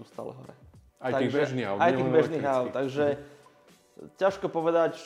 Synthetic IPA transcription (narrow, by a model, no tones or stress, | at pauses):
uːst̪a̰lɛ̰ɦɔ̰ɾɛ̰ | ajt̪aibɛʒnia̰ajt̪iːɣbɛʒniːɣaʊt̪ːaɡʒɛ | caʃkɔpɔʋɛd̪act͡ʃ